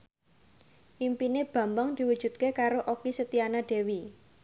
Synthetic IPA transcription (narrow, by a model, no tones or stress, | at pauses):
ʔimpineb̥ä̤mbaŋd̪̥i̤wud̥ʒ̥ṳt̪̚kekaɾoʔokisət̪ianaɖ̥e̤wi